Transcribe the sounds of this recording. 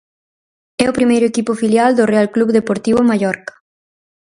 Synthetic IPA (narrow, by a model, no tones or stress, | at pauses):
ɛʊpɾimejɾʊekipʊfiljald̪ʊrealkluβðepoɾt̪iβʊmaʎɔɾkɐ̥